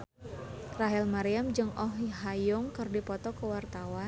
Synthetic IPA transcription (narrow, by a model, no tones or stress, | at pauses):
raɦilmaɾiamd͡ʒɨŋɔɦɦajʊŋkɨrdipɔt̪ɔkəwart̪awa